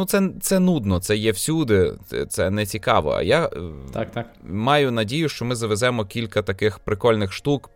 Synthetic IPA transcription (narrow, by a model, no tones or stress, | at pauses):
nutsɛt̪sɛnud̪nɔt̪sɛjɛwsʲud̪ɪɛ̰t̪sɛnɛt͡sʲikɑʋɔ̰ɐ̰jat̪akt̪akmɑjʊnɐdʲijʊʃt͡ʃɔmɪzɐʋɛzɛmɔkʲilʲkɐt̪ɐkɪxpɾɪkɔlʲnɪxʃt̪uk